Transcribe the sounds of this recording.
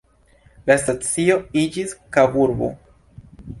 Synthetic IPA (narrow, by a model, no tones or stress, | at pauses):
lastat͡sio̞id͡ʒiskabuɾbo̰